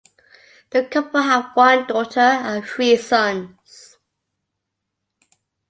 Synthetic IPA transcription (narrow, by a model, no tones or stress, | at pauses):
ðəkʰʌpəlˠəvwʌ̃ndɔˑtʰəə̃nθɹiːsʌ̃n | z̥